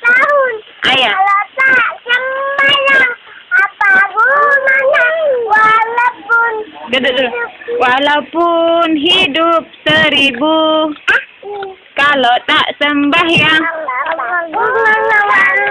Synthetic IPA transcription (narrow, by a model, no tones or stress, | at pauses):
ʔajat̪asəmbahjaapa | a | walapundəduduwalawpunɦidʊp̚səɾibu | kalot̪aʔsəmbahja